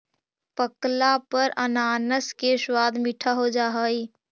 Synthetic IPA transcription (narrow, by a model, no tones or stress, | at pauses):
pəklapəɾənaːnəskeswaːd̪ʱmiʈʰaɦod͡ʒaːɦəi